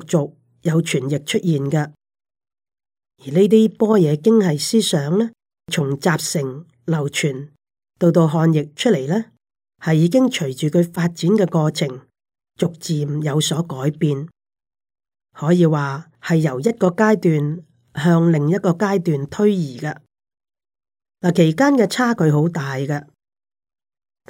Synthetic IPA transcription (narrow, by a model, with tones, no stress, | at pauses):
k̚t͡sʊ˨k̚ | jɐ˨˧wt͡ʃʰyː˨˩njɪ˨k̚t͡ʃʰɵ˥t̚jiː˨nkɐ˧ | jiː˨˩ne˥t̪̬iː˥pɔː˥jɛː˨˧˥kɪ˥ŋhɐ˨jsiː˥sœː˨˥ŋlɛː˥ | t͡sʰʊ˨˩ŋt͡saː˨p̚sɪ˨˩ŋ | lɐ˨˩wt͡ʃʰyː˨˩n | t̪o˧wt̪o˧wɦɔː˧njɪ˨k̚t͡ʃʰɵ˥le˨˩jlɛː˥ | hɐ˨jːiː˨˧k̬ɪ˥ŋt͡ʃʰɵ˨˩ɥt͡ʃyː˨kʰɵ˨˧ɥfaː˧t̚t͡siː˨˥nkɛː˧kɔː˧t͡sʰɪ˨˩ŋ | t͡sʊ˨k̚t͡siː˨mjɐ˨˧wsɔː˨˥kɔː˨˥jpiː˨˧n | hɔː˨˥jiː˨˧waː˨ | hɐ˨jːɐ˨˩wjɐ˥t̚kɔː˧kaː˥jt̪yː˨n | hœː˧ŋlɪ˨ŋjɐ˥t̚kɔː˧kaː˥jt̪yː˨nt̪ʰɵ˥ɥjiː˨˩kɐ˧ | laː˨˩kʰe˨˩jkaː˥nkɛː˧t͡sʰaː˥kʰɵ˨˧ɥɦo˨˥wt̪aː˨jkɐ˧